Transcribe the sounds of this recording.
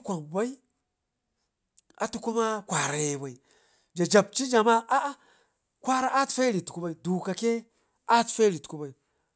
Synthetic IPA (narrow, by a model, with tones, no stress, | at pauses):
kʷa˨ŋ˨ba˦i˦ | a̰˨tu˦ku˦ma˦kʷa˨ɾa˨je˨ba˨i˨ | d͡ʒa˨d͡ʒa˨b̚t͡ʃi˦d͡ʒa˨ma˦ʔa˦ | kʷa˦ɾa˦ʔa˦tfe˦ɾi˨tku˦ba˦i˨du˨ka˨ke˦ | a˦tfe˦ɾi˨tku˦ba˨i˨